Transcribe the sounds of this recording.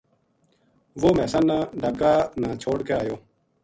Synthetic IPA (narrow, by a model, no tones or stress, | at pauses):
ʋoːmɛːsãːnãːɖaːkaːnãːt͡ʃʰoːɽkeaːjoː